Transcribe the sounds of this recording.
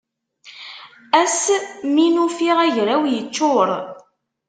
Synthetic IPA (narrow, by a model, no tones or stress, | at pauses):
æsminufiʁæʝɾæwjət͡ʃːʊɾˤ